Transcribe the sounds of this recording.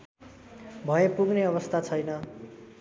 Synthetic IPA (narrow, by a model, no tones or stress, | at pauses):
bʱʌjepuɡneʌβʌst̪ʰat͡sʰʌjnʌ